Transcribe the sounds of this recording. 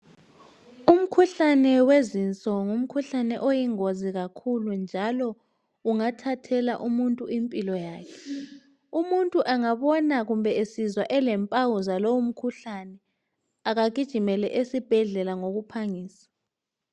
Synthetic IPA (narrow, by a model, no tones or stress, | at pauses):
um̩kʰuɬanɛwezint͡sʼɔŋum̩kʰuɬanɛʔojiŋoziɣakʰulund͡ʒʱalɔ | uŋatʰatʰɛlaʔumuntʼuimpʼilɔjaːkʰɛ̥ | umuntʼuʔaŋaβɔnaɣumbɛesizwaʔɛlɛmpʼawuzalowum̩kʰuɬanɛ | aɣaɡ̬ʱid̥ʒ̥ʱimɛlɛ̰ʔesib̥ʱɛɮɛlaŋoɣupʰaŋiːsḁ